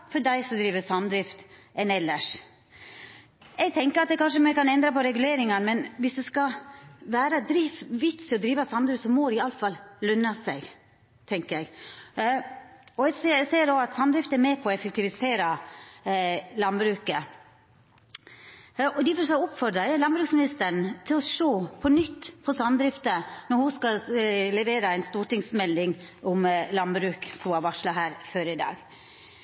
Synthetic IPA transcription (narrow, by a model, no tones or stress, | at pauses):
fɔɖæɪsɔd̪ɾiːʋəsɑmd̪ɾɪft̪ɛnɛlːəʂ | ɛɡ̚t̪ʰɛŋkəɾɑt̪̚d̪ɛkʰɑnʂəmɛkɑnɛnd̪ɾɑpɔɾɛɡʉleːɾɪŋɑnmɛnʋɪsd̪ɛskɑʋæːɾəd̪ɾɪfʋɪt̪sɪɔd̪ɾiːʋəsɑmd̪ɾʉft̪sɔmɔd̪ɛɪɑlfɑllœnːɑsɛɡ | t̪ʰɛŋkəɾɛɡ | ɔɛɡsseːɾoɑt̪sɑmd̪ɾɪft̪æɾmeːpʰɔɔɛfɛk̚t̪ɪʋɪseːɾɑ | lɑnbɾʉːkə | ɔd̪ɪfɔsæʊpfɔɾɖ̪ɾɑɛlɑnbɾʉːksmɪnɪst̪əɳ̩t̪ʰɪlɔʂoːpʰɔnʏt̪ːpʰɔsɑmd̪ɾɪft̪ənɔɾhʊskɑlɛʋeːɾɑæɪnst̪uːʈɪŋsmɛld̪ɪŋ | ɔmlɑnbɾʉːksɔɑʋɑʂlɑɦæːɾføːɾɪd̪ɑ̰ːɡ